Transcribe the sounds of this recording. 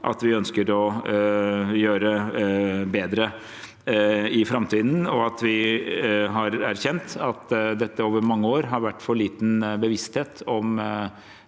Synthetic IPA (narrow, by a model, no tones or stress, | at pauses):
ʔɑ̰t̪ʋɪœnskəɾɔ | jøːɾə | beːd̪ɾə | ɪfɾɑmt̪ʰiːd̪n̩ɔɑt̪ʋɪ | ɦɑɾæɾçɛnt̪ɑt̪d̪ɛt̪ːəoːʋəɾmɑŋːəoːɾɦɑɾʋæʈːfɔɭiːt̪n̩bəʋɪst̪heːt̪ɔm